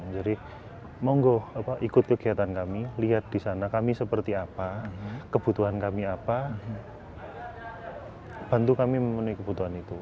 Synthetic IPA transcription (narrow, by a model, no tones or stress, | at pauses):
d͡ʒadi | maŋɡoapaʔikʊt̪̚kəɡiat̪ankamiliɦat̪̚d̥isanakamisəpərt̪iapakəb̥ut̪uɦankamiapa | b̥a̤nt̪ukamiməmənuikəb̥ut̪uɦanit̪u